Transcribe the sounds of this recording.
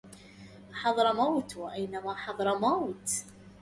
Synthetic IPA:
ħɑðˤɾˤɑmawt̪wʔæjnæmæħɑðˤɾˤɑmawt̪

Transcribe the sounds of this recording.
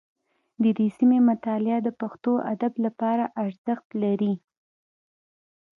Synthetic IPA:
d̪əd̪esimemʊt̪ɑlɪɑd̪əpaxt̪oʔad̪ablapɑɾaʔaɾz̥əxt̪laɾi

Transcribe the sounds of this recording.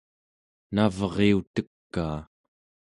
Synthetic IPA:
navʁeut̪əkːaː

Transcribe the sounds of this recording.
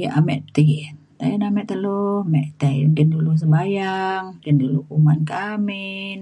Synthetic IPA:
jaʔamɛʔt̪i | t̪a̰jənamɛʔt̪əlohmɛʔt̪andəndulus̬əmbajaŋdənduluumankamin

